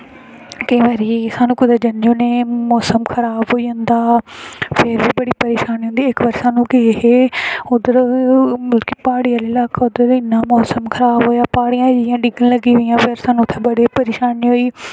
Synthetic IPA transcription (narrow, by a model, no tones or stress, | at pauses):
kə̃ĩʋaːɾiːsaːnũːkʊd̪aːd͡ʒənd͡ʒõːneːmɔːsəmkʰəɾaːbɦoːiːɦʊ̃nd̪aːpʰɪɾbiːbəɽiːpəɾeːʃaːnɦõnd̪iːɪkʋəɾsaːnũːkɪɦeʊd̪əɾmɪlkiːpaːɽiːalɪlaːkaːʊd̪əɾɪnːaːmɔːsəmkʰəɾaːbɦoːjaːpaːɽijãːd͡ʒɪjãːɖɪɡəlləɡiːʋɪjãːpʰɪɾsaːnũt̪ʰːeːbəɽiːpəɾeːʃaːniːɦoːiː